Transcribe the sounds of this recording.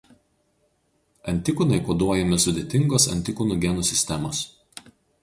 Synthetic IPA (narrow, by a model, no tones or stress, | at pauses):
ɐnʲˑt̪ʲɪkʊnɐɪkoːd̪uɔjɛmʲɪsʊd̪ʲeːt̪ʲɪŋɡoːsɐ̰nʲt̪ʲɪkʊnuɡʲɛnɔsʲɪsʲt̪ʲɛmoːs